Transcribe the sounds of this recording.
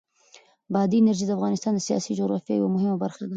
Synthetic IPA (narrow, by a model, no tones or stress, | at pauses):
bɑd̪iɪnaɾʒid̪əafɣɑnɪst̪ɑnd̪əsijɑ̰sid͡ʒoɣɾɑ̰fjɑ̰ja̰wamʊɦɪmabaɾxad̪a